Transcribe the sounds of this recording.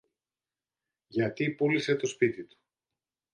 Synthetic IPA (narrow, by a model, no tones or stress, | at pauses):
ʝɐt̪ipulise̞t̪o̞spit̪it̪u̥